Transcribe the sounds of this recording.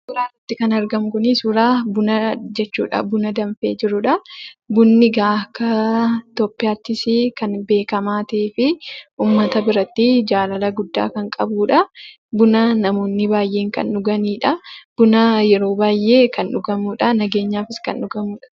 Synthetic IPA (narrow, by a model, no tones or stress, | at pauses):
sʊɾaːrɐt̪ːɪkɐnɐɾɡɐmkʊnisʊɾaːbʊnɐd͡ʒɛt͡ʃːṵːᶑɐ̰bʊnɐd̪ɐnfe̞ːd͡ʒɪɾʊᶑɐbʊnːɪɡaːkːɐt̪oːpːɪjaːt̪ːɪsɪkɐnbe̞ːkɐmaːt̪eːfɪʔuːmːɐt̪ɐbɪɾɐt̪ːɪd͡ʒaːlɐlɐɡʊd̪ːa̰ːkɐŋkʼɐ̰buːᶑɐ | bʊnɐnɐmo̞ːnːɪbaːjʔe̞ːŋkɐ̰nᶑʊɡɐniːᶑɐb̥ʊnɐjɛɾo̞ːbaːjʔːe̞ːkɐnᶑʊɡɐmuːᶑɐnɐɡe̞ːɲːaːfɪskɐnʔʊɡɐmuːᶑɐ̥